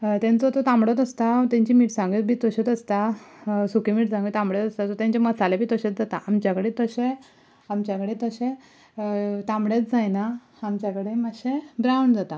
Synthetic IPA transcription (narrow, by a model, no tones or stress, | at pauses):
t̪ɛ̃nt͡sɔt̪ɔt̪ãmbɽɔt̪̬əst̪at̪ɛ̃ɲt͡ɕimiːʈsãŋɡit̪bʱiːt̪əɕet̪əst̪asukimiːʈsãŋɡit̪ãmbɽet̪əst̪at͡sɔt̪ãɲt͡ɕamət͡salebʱiːt̪əɕet͡s̚d͡zat̪aʔamt͡ɕjakəɽet̪əɕe | amt͡ɕjakəɽet̪əɕẽ | t̪ãmɽet͡sd͡zajna | amt͡ɕakəɽeməɕẽbɾawɳɖd͡zat̪a